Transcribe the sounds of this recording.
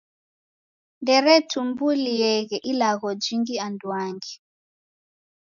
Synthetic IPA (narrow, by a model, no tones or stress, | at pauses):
ndɛɾɛtʰumbulijɛɣɛʔilaɣɔd͡ʒiŋɡiandwaŋɡi